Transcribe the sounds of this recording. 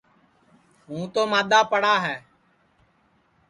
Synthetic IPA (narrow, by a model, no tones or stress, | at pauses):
ɦũːt̪oːmaːd̪aːpəɽaːɦɛː